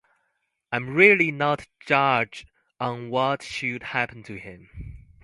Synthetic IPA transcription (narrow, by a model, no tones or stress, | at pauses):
ãɪ̃mɹɪlinətt͡ʃɑd͡ʒ | n̩wɔtʃɨd̚hæpə̃n̩tʰɨɪ̃m